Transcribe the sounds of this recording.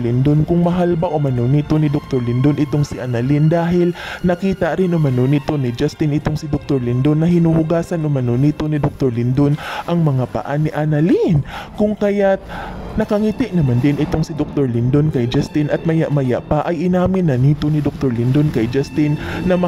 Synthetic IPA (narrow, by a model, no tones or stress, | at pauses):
lɪnd̪onkʊŋmɐɦalbaʔʊmɐnonɪt̪onɪd̪ok̚t̪oɹlɪnd̪onʔɪt̪oŋsɪʔanalind̪aːɦɪlnɐkiːt̪ɐɾɪnʔʊmɐnonɪt̪o̞nɪd͡ʒɐst̪ɪnɪt̪oŋsɪd̪ok̚t̪oɹlɪnd̪onːɐhɪnuhʊɡaːsɐnʔʊmɐnonɪt̪onɪd̪ok̚t̪oɹlɪnd̪onʔɐŋmɐŋapɐ̰ʔanɪʔanɐlinkʊŋkɐjat̪nɐkɐŋit̪ɪʔnɐmand̪ɪnʔɪt̪oŋsɪd̪ok̚t̪oɹlɪnd̪onkɐjd͡ʒast̪ɪnʔɐt̪̚mɐjaʔmɐja̰ʔpaʔɐjɪnaːmɪnːɐnit̪onɪd̪ok̚t̪oɹlɪnd̪onkɐjd͡ʒɐst̪ɪnːɐmɐ